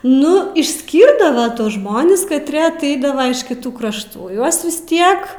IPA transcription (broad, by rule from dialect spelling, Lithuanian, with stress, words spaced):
ˈnʊ ɪʃʲˈsʲkʲiːrdɐʋɐ ˈtuɔs ˈʒmoːnʲɪs kɐtʲˈrʲeː ɐˈtʲɛɪdɐʋɐ ɪʃ kʲɪˈtuː krɐʃˈtuː ˈjuɔs ʋʲɪs ˈtʲiɛk